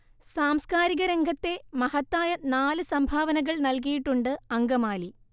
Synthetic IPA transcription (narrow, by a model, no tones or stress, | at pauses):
saːmskaːɾiɣɐɾeŋɡʱɐt̪ːe̞mɐhɐt̪ːaːjɐnaːlɨsɐmbʱaːʋɐnɐɣɐɭnɐlk̬ijiʈːuɳɖɨɐŋɡɐmaːli